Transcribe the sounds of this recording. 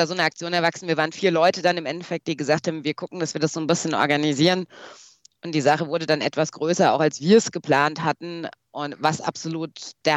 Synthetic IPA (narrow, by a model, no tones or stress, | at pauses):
azoːnəak̚t͡sjoːnɛɐvaksn̩viːɐvaːʁənfiːɐlɔʏtədanɪmʔɛntɛfɛk̚t̚d̥iːɡəzaːkthaːbm̩viːɐkʰʊkŋ̩d̥asv̥iːɐdasz̥oːnbɪsçənɔ̰ɐɡaniziːʁən | ʔʊntd̥iːzaχəvʊɐdədanʔɛ̰tv̥asɡ̥ʁøːsɐa̰ʊxalsv̥iːɐɛsɡ̥əpl̥aːnthatn̩ʔʊntvasa̰pz̥oluːtd̥eɐ